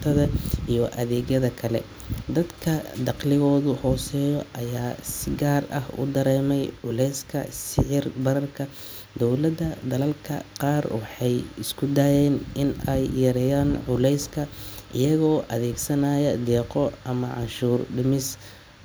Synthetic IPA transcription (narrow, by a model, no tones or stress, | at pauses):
t̪ʰɐðɐʔijɔʔɐðɛːɣjɐðɐkʰɐlɛ̰ | d̪ɐd̪kʰɐd̪ɑqlɪɣɔːðʊhɔːsɛːjɔʔɐjaːsɪɡaːrɐ̰hʊ̰d̪ɐɾɛːmɛjʕʊlɛjskʰɐ̰sɪʕɪrbɐɾɐrkʰɐ | d̪ɔwlɐd̪ɐd̪ɐlɐlkʰɐ̰qɑːrwɑħɑjɪskʰʊd̪aːjɛːnɪnɛjːɐɾɛjaːnʕʊlɛjskʰɐʔɪjɐɣɔːʔɐðɛːɡsɐnaːjɐd̪ɛːqɔʔɐmɐʕɑ̰ʃuːrɖɪmɪs